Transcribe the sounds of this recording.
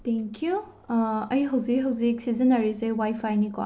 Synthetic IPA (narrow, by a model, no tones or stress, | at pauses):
tʰeŋkʰju | ɐjɦɐwzikɦɐwzik̚sizɐnɐɾisewajfʰajnikɔ̰